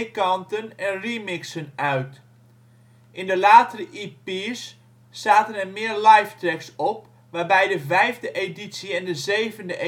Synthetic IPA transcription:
kɑntənɛnrimɪksənœɥt | ʔɪndəlaːtərəʔiːpiːsː | aːtənɛrmɪərlɑjftrɛksɔp̚ | ʋaːrbɛjdəvɛjvdəʔeditsiɛndəzeːvəndəʔe

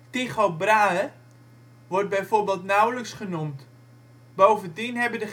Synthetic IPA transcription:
tiχobraːə | ʋɔrt̚bɛjforbɪːlˠtnawləksχənumt | bowvəntinɦɛbədə

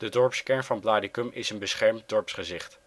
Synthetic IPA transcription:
d̥ədɔɹpskɛɹnvɑnblaːdikəmʔɪsənbəsχɛɹmt̚dɔɹpsχəzɪχt

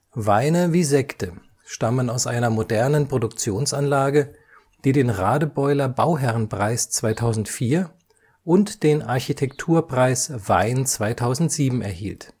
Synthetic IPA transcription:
vaɪnəviːzɛktə | ʃtamənaʊsʔa̰ɪnɐmodɛɐnənpʁ̥odʊkt͡sjoːnsanlaːɡə | d̥iːɾeːnʁaːdəbɔʏlɐbaʊɦɛʁnpʁ̥aɪst͡sv̥aɪtʰaʊzn̩tfiːɐ | ʔʊntd̥eːnʔaɐçitʰɛktʰuːɐpʁ̥aɪsv̥aɪnt͡sv̥aɪtʰaʊzn̩tz̥iːbm̩ɛ̰ɐhḭːlt

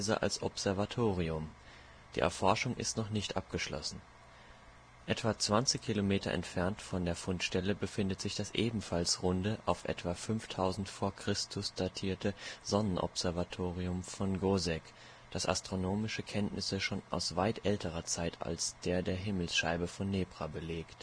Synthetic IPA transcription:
zəʔa̰lsʔɔ̰pz̥ɛɐvatʰoːʁiʊm | d̥ḭːʔɛ̰ɐfɔɐʃʊŋʔɪ̰stnɔχnɪçtʔap̚ɡ̥əʃlɔ̰sn̩ | ʔɛtv̥at͡sv̥ant͡sɪçkʰilomeːtɐ̰ʔɛ̰ntfɛɐntfɔndeːɐfʊntʃtɛləbəfɪndətz̥ɪçd̥asʔeːbm̩falsʁʊndəʔaʊfʔɛ̰tv̥afʏnftʰaʊzn̩tfoːɐkʁ̥ɪstʰʊsd̥atʰiːɐtʰəzɔnənʔɔ̰pz̥ɛɐvatʰoːʁiʊmfɔnɡozɛk | d̥asʔa̰stʁ̥onoːmɪʃəkʰɛntnʔɪsəʃoːna̰ʊsv̥aɪtʔɛltʰəʁ̞ɐt͡saɪtʰa̰lsd̥eːɐdeːɐɦɪml̩sʃaɪbəfɔnːeːpʁ̥abəleːkt

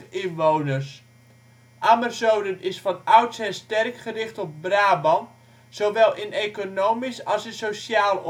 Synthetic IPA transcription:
ɪnʋownərs | ʔamərzowdənɪsfɑnœwtsɛnstɛrkχərɪχtɔp̚braːbɑn | sowʋɛlˠʔɪnekonoːmisɑlˠsɪnsosaːl

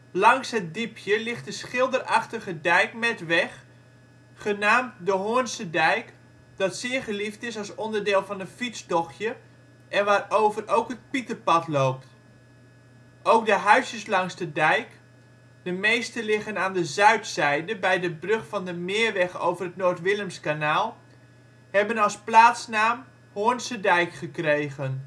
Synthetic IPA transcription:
lɑŋsɦət̚dipʰjəlɪχtdəsχɪlˠdərɑχtəχədɛjkmɛtʋɛχ | χənaːmtdəɦʊənsədɛjk | d̥ɑtsɪːɹχəliftɪsɑlˠsɔndəɹdɪːlˠvɑnənfit͡sdɔχjə | ʔɛnʋaːrowvərʔowkɦət̚pitəpɑtlowp̚t | ʔowk̚dəɦœɥsjəslɑŋstədɛjk | d̥əmejstəlɪχənaːndəzœɥtsɛjdəbɛjdəbrøχfɑndəmɪːɹʋɛχowvərətnoːɹtʋɪləmskanaːlˠ | hɛbənɑlˠsplaːtsnaːm | hoənsədɛjkχəkrejɣən

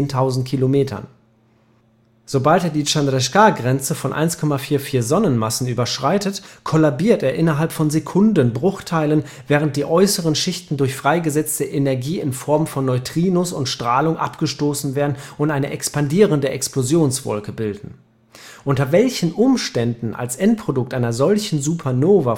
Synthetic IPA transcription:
ntʰaʊzn̩t̚kʰilomeːtʰɐ̰n | z̥obalteːɐdiːt͡ʃandʁɛʃkaːɡʁɛnt͡səfɔnʔa̰ɪnskʰɔmafiːɐfiːɐzɔnənmasn̩yːbɐʃʁ̥aɪtətkʰɔlabiːɐteːɐʔɪnɐɦalpfɔnzekʰʊndənbʁʊχtʰaɪlən | vɛːʁənt̚d̥iːʔɔʏsəʁ̞ənʃɪçtn̩dʊɐçfʁ̥aɪɡəzɛt͡stəʔenɛɐɡiːɪnfɔɐmfɔnːɔʏtʁ̥iːnʊsʊntʃtʁ̥aːlʊŋʔa̰pɡ̥əʃtoːsn̩veːɐdn̩ʊntʔaɪnəʔɛkspandiːʁəndəʔɛ̰ksplozjoːnsv̥ɔ̰lkəbɪldn̩ | ʔʊntɐvɛlçn̩ʔʊmʃtɛndn̩ʔa̰lsʔɛnt̚pʁ̥odʊk̚tʔaɪnɐzɔlçn̩zupʰɐnoːva

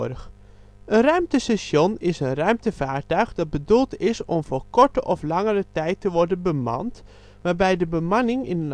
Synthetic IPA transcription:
ɾəx | ənrœɥmtəsɛsjonɪsənrœɥmtəvaːɹtœɥxdɑt̚bədulˠtɪsɔmvoːɹkɔɹtəʔɔflɑŋərətɛjtəʋɔɹdənbəmɑ̰nt | ʋaːɹbɛjdəbəmɑnɪŋɪnən

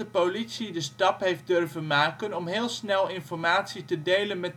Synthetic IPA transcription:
əpolitsidəstɑpɦejf̚dʏrvənmaːkənɔmɦɪːlˠsnɛlˠɪnfɔɹmaːtsitədejlənmɛt

